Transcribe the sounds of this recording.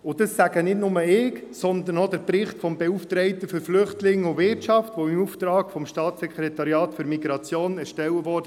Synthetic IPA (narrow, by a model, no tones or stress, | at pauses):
ʊd̥əsːæɡ̥ənɪtnʊməɪːksɔnd̪ənɔd̪əɾpɾɪχtfɔmbɛuft̪ɾɛɪtəføɾflʏχtlɪŋːʊvʋɪrtt͡ʃɑftʋɔɪmuft̪ɾɑːɡfɔmʃtɑːt̪sɛkʰχɾɛt̪ɑɾjɑːtfɵɾmiɡɾɑt͡sjoːnɛɾʃtɛwəvɔɾdə